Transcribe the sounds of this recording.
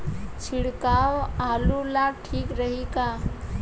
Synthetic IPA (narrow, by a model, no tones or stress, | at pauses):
t͡ʃʰiɽkawaːlulaɡ̚ʈʰiːkɾəɦika